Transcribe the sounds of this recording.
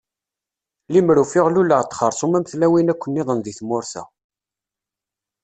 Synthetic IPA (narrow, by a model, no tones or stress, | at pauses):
limɾufɪʁluləʁt̪ːχəɾˤsˤomæmθlæwinækʷːənːɪðˤənðiθmʊɾθæ̰